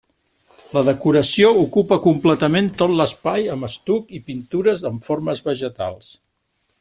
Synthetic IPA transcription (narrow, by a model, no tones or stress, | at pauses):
ləðəkuɾəsioukupəkumplɛt̪əment̪ot̪ləspajəməst̪ukipint̪uɾəzəɱforməzβəʒət̪a̰lˠs